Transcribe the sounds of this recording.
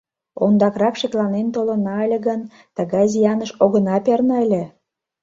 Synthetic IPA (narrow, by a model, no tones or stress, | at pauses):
ond̪ɑkrɑkʃeklɑnent̪olə̆nɑəlʲeɣən | t̪əɣɑjzijɑnəʃoɣə̆nɑpernɑəlʲĕ